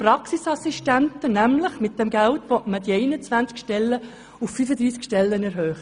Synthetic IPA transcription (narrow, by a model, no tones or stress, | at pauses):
pɾɑksisɑsiʃtæntənæmləχmɪt̚d̥ɛmɡæltʋɔtmədiɛɪnət͡sʋænt͡skʃtɛlːə | ufːyfəd̪ɾiːskʃtɛlːənɛɾɦœːχ